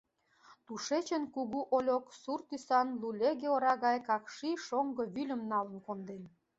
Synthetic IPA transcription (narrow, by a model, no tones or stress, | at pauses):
t̪uʃet͡ɕə̆nkuɣuʔolʲoksurt̪ysɑnlulʲeɣeoɾɑɣɑjkɑkʃiʃoŋɡɤ̆βylʲə̆mnɑlə̆nkond̪en